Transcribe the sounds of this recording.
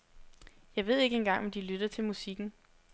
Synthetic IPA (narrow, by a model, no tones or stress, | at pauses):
jɑ̈ɪʋe̝ð̞̰ˠe̝ɡ̥əenɡ̥ɑ̈ŋ̰ɒ̽md̥ilyd̥ɐt͡sʰe̝lmusiɡ̥n̩